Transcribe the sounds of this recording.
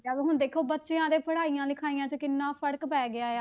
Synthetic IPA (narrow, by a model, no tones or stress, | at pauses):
aːbɦʊɳd̪eːkʰoːbətːʃeãːd̪eːpʰəɽaːiːjãːlɪkʰaːijãːt͡ʃəkɪnːãːpʰəɽkpɛːɡɪaːeaː